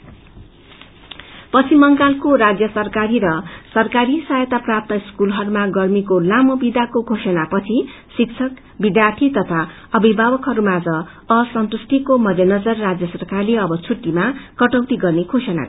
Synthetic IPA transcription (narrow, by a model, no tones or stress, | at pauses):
pʌt͡sʰimʌŋɡalkoɾad͡zjʌsʌrkaɾiɾʌsʌrkaɾisajʌt̪aprap̚t̪ʌiskulɦʌɾumaɡʌrmikolamʌbid̪akokʰosʌnapʌt͡sʰi | sik̚t͡sʰʌk | bid̪jart̪ʰit̪ʌt̪ʰa | ʌbibʱabʌkɦʌɾumad͡zʌ | ʌsʌnt̪usʈ̪ʰikomʌd͡z̪enʌd͡zʌrːad͡zjʌsʌrkarleʌbʌt͡sʰuʈːimakʌʈʌwt̪iɡʌrnekʰosʌna̰k